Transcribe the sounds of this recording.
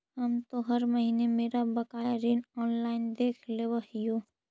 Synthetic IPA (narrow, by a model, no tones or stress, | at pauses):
ɦəmt̪oɦəɾməɦinemeːɾabəkaːjaɾiːnɔːnlaːɪnd̪eːkʰleʋəɦijo